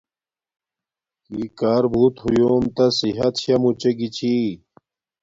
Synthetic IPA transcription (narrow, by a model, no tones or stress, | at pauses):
kikaːɾbʱuːt̪hujoːmt̪ɐsiɦɐt̪ɕɐmut͡ɕeɡit͡ɕʰi